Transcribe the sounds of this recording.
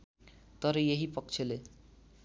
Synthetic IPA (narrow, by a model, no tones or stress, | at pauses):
t̪ʌɾʌjeɦipʌkt͡sʰele